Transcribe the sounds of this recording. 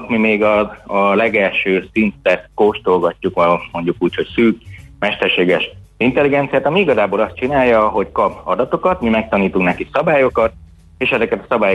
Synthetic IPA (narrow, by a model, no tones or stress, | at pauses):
t̪mimeːɡɒɒlɛɡɛlʃøːsint̪ɛkoʃt̪olɡɒcːukɛmo̞ɲɟukuːcho̞csyːkmɛʃt̪ɛrʃeːɡɛʃint̪ɛliɡɛnt̪sijaːt̪ɒmiiɡɒzaːbolɒst̪t͡ʃinaːjjːɒɦo̞ckɒbɒd̪ɒt̪o̞kɒt̪mimɛk̚t̪ɒniːt̪uŋknɛkisɒbaːjo̞kɒt̪̚ | eːʃɛzɛkɛt̪ɒsɒbaːjo